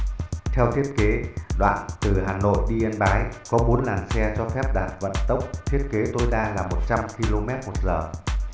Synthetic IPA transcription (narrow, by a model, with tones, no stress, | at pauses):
t̪ʰɛ˧wt̪ʰi˦˥ət̚ke˨˦ɗwa̰ː˧˨nt̪ɨ˨˩haː˨˩no̰˧˨jɗi˧ʔə˧nɓaː˨˦jkɔ˨˦ɓo˨˦nlaː˨˩ŋsɛ˧t͡ɕɔ˧fɛ˦˥p̚ɗa̰ː˨˩n̚və̰˧˨nt̪ə˦˥wk͡p̚t̪ʰi˦˥ət̚ke˨˦t̪o˧jɗaː˧laː˨˩mo˨˩t̚t͡ɕa˧mki˧lo˧mɛ˦˥t̚mo˨˩t̚zəː˨˩